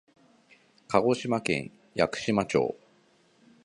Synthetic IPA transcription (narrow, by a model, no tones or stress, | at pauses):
kaɡo̞ɕimakẽ̞̰ɰ̃ | jakɯ̟̥ɕimat͡ɕo̞̰ː